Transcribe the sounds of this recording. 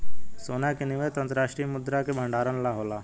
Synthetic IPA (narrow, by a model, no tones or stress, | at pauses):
soːnakenɪʋet̪ɐ̃nt̪ɾaːʃʈɾijmʊd̪ɾakebʱə̃ɳɖaːɾənlaɦoːlaː